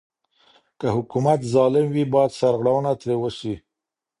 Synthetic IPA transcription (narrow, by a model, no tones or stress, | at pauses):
kəhʊkumat̪zɑlɪmwibɑjad̪saɾɣɽawənat̪ɾewəʃi